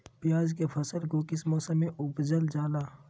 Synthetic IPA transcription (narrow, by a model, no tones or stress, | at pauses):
bjaːzkepʰɐsəlɡoːkɪsmɔːsəmːẽʔʊbd͡ʒəld͡ʒaːlaː